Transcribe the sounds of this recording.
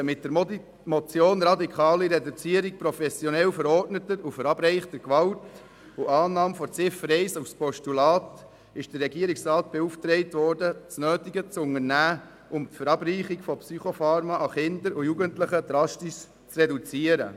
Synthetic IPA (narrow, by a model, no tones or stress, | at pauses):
mɪt̚dəɾ | mɔt͡sjoːnɾɑdikʰχɑːliɾɛdut͡siəɾik̚pɾofɛsjɔnɛlfəɾɔrtnətəɾufəɾɑbɾɛɪχtəkʋɑlt | uʔɑːnɑːmfɔɾt͡sɪfəɾɛɪsufspɔʃtulɑːt | ɪʃd̥əɾːɛɡiəɾiksɾɑːt̚b̥euftɾɛɪtʋɔɾdət͡snøːtiɡət͡sʊŋənæː | ʔʊmtfəɾɑbriːχikfɔpsyχofɑːɾmɑʔɑχɪnd̪əɾujuɡəntləχəd̪ɾɑstiʃ | t͡srɛdut͡siəɾə̰